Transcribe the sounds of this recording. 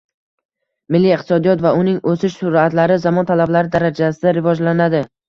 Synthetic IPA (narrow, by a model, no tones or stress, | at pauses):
mɪlːiɪqt̪ʰɪsɒd̪ijɒt̪vaʊnɪŋʔosɪʃsʊɾat̪laɾɪzamɒnt̪ʰalablaɾɪd̪aɾad͡ʒasɪd̪aɾɪvɒd͡ʒlanad̪ɪ